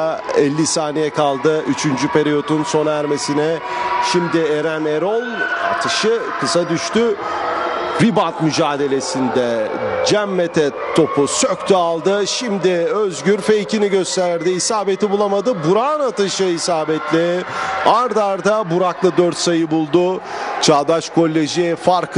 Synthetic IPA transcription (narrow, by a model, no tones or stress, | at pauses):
ɛlʲːisaːnijɛkʰalˠd̪ɯʔyt͡ʃʰynd͡ʒype̞ɾijo̞t̪unso̞næɾme̞sinɛ | ʃimd̪ɪeɾæneɾolˠa̰t̪ʰɯʃɯkʰɯsad̪yʃt̪y | bibant̪myd͡ʒaːd̪e̞lʲe̞sind̪ɛd͡ʒæmːet̪ʰɛt̪ʰo̞pʰusøct̪ʰyalˠd̪ɯʃimd̪ɪøzɟyɾfe̞jciniɟøst̪ʰæɾd̪iisaːbe̞t̪ʰibulˠamad̪ɯbuɾaːnat̪ɯʃɯisaːbɛt̪lʲɪaɾd̪aɾd̪abuɾaklˠɯd̪øɾt̪sajɯbulˠd̪ʊt͡ʃʰaːd̪at͡ʃkʰo̞lʲːeʒiɛfaɾkʰ